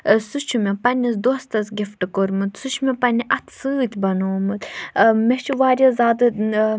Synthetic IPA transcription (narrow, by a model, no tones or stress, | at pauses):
sut͡ʃʰumʲɛpɐnʲizd̪ost̪ɐsɡʲifʈɨkoɾmɨt̪sut͡ʃʰmɛpɐnʲiʔɐt̪ʰsɨːt̪ʲbɐnoːmɨt̪mɛt͡ʃʰuʋaːɾʲɐzaːd̪ɨ